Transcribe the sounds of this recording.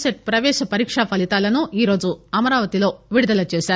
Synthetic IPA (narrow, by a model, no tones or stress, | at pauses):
seʈ̚pɾɐʋɛːʃɐpɐɾiːkʂapɐlit̪aːlɐnuiːɾo̞ːd͡ʒuɐmɐɾaːʋɐt̪ilo̞ːʋiɽud̪ɐlɐt͡ʃeːʃaːɾu